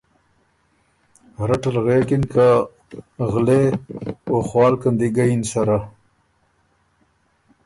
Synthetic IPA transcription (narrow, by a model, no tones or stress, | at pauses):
ɾaʈalɣeːkinka | ɣle | oxwɑːlkand̪iɡajinsaɾa